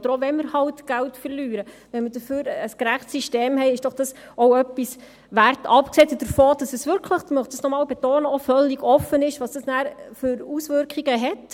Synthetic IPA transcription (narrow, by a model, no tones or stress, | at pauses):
d̪əɾɔʋɛnmɪɾhɑltɡ̥æltfəɾlyːɾə | ʋɛnməd̥əføːɾəskɾæχtsiʃteːmhɛɪɪʃd̥ɔχd̥ɑs | owœpːis | ʋærtɑpksɛtd̥əɾfoːd̥ɑsəsʋʏɾkʰləχmœχtd̥ɑsnɔmɑːlbetoːnəɔfœliɡɔfənɪʃʋɑːsd̥ɑsnæːɾfʏɾusʋʏɾkχiɡəɦɛt